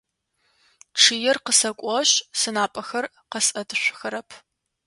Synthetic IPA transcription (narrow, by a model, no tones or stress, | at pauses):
ʈ͡ʂʰɨjɛrqəsɐkʷʼɔɕsɨnaːpʼɐxɐr | qɐsɐdʰɕʷʊxɐɾɐpʰ